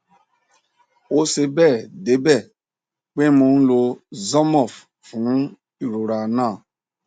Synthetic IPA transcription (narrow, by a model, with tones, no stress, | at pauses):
o˦se˧bɛ˦˨de˨˦bɛ˦˨ | k͡pe˦mõ˧n̩˦lo˧zɔ˦mɔ˦˨f | fũ˨˦ | i˨ɾo˨ɾa˨nãː˦˨